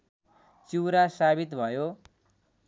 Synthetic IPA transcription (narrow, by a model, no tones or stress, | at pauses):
t͡siwɾasabit̪bʱʌjo